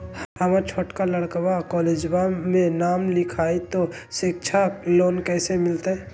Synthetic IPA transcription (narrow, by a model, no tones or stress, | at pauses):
həmət͡ʃʰoːʈkaləɽkbakɔːleːd͡ʒbamẽnaːmlɪkʰaːit̪o | ʃɪk̚t͡ʃʰaloːnkɛːsemɪlt̪e